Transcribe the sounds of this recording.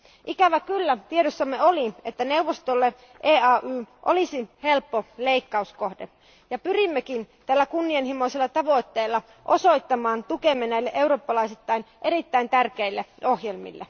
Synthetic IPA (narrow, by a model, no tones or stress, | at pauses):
ʔikæʋækylːæt̪ieɾosːɑmːeoliet̪ːæne̞uʋːost̪olːe | ʔeːɑːʔyːʔo̰lisihe̞lpːole̞ikːɑusko̞hde | jɑpyrimːekint̪ælːækunːienhimoiselːɑt̪ɑʋo̞it̪ːeilːɑ | ʔoso̞jt̪ːɑmɑːnt̪ukemːenæilːeʔeuɾoːpːɑlɑisit̪ːɑinʔe̞ɾit̪ːæint̪ærkeilːeohje̞lmḭlːḛ